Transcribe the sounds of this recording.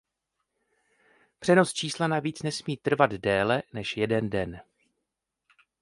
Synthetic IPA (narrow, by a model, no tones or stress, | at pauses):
pr̝̥ɛno̞st͡ʃiːslanaviːt͡snɛsmiːt̪r̩vad̪dɛːlɛnɛʃjɛdɛndɛn